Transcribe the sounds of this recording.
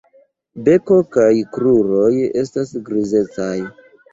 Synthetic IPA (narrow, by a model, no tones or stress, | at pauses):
be̞ko̞kajkɾuɾo̞je̞stasɡɾize̞t͡saj